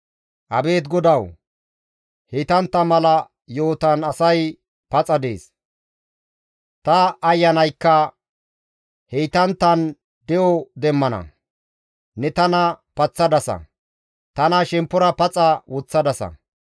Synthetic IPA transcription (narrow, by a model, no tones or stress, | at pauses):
ʔɐbe̞ːt̪ɡɔd̪ɐw | hejt̪ɐnt̪ːɐmɐlɐ | jo̞ːt̪ɐnɐsɐj | pɐt͡sʼɐd̪e̞̰ːs | t̪ɐːjːɐnɐjkːɐ | hɛjt̪ɐnt̪ːɐn | d̪ɛjɔd̪ɛmːɐnɐ̰ | nɛt̪ɐnɐpɐt͡sːɐd̪ɐsɐ̰ | t̪ɐnɐʃɛmpːʊɾɐpɐt͡sʼɐwɔt͡sːɐd̪ɐsɐ̰